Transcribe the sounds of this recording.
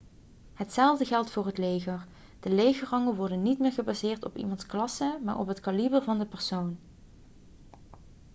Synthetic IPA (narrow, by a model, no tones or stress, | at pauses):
ɦətsɛlˠvdəɣɛlˠtfʊːrɦətlejxəɹ | d̥əlejɣərɑŋəʋɔɹdənitmɪːɹχəbaːzɪːɹtɔ̰pḭmɑntsklɑsəma̰ːɹɔ̰pɦətkɑlibərvɑndəpɛɹsown